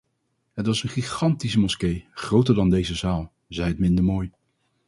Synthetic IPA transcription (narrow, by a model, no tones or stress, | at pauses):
ɦətʋɑsənχiχɑntisəmɔskejχrowtəɹdɑndejzəzaːlˠ | zɛjətmɪndəɹmoːj